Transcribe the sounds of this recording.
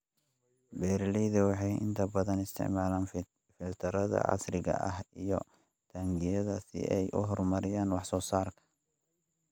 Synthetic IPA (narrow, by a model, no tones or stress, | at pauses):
bɛːɾlɛðɛwɑħɑjʔɪ̰nt̪ʰɐbɐðɐnɪst̪ʰɪ̰ʕmaːlaːn | fɪlt̪ʰɐɾɐðɐ̰ʕɑ̰srɪɣɐ̰ʔɐhijɔ | d̪̥ʰɐŋɡɪjɐðɐsɪ̰ʔɛjʔʊɦɔrmɐɾɪjaːnwɑħsɔːsaːrkʰɐ̥